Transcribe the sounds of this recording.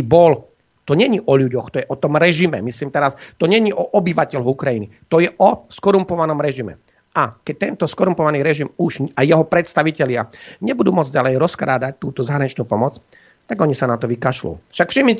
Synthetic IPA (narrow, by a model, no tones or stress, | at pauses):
bɔl | t̪ɔɲɛɲiʔɔʎuɟɔxt̪ɔjɛʔɔt̪ɔmɾɛʒimɛ̰misliːmt̪ɛɾast̪ɔɲɛɲiʔɔʔɔbiʋacɛʎɔukɾajinit̪ɔjɛʔɔskɔɾumpɔʋanɔmɾɛʒimɛ̰ | akɛc̚t̪ɛnt̪ɔskɔɾumpɔʋaniːɾɛʒimuʒajjɛɦɔpɾɛt̪st̪aʋicɛʎɪa̰ɲɛbud̪uːmʊɔd͡zɟalɛjɾɔskɾaːd̪ac̚t̪uːt̪ɔzaɦɾaɲit͡ʃnuːpɔmɔt͡s | t̪aɡɔɲisanat̪ɔʋikaʃlṵfʃakfʃimɲi